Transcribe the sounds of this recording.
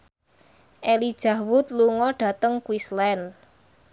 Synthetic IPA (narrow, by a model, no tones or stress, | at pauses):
ʔelid̥ʒ̥a̤hwʊt̪̚luŋɔɖ̥ä̤t̪əŋkwislɛn